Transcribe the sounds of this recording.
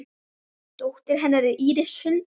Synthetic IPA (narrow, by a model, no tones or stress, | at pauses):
t̪owht̪ɪɾ̥ɦɛnːaɾʏʔiːɾɪshʏn